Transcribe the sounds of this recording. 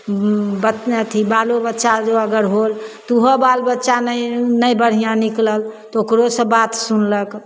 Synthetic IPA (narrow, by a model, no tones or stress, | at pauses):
bəət̪ʰibalobətːʃad͡ʒoəɡəɾɦolt̪uɦɔbalbətːʃanənəjbəɽ̤ijãnikləlt̪okɾosə̃bat̪sunlək